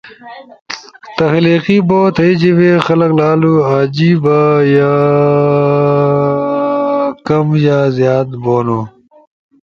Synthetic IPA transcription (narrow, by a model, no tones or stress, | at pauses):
t̪ɐxliːqiboːt̪ʰɐid͡ʑiʋexɐlɐklaːluaːd͡ʑiːbaja | kɐmjaːzjaːt̪boːnoː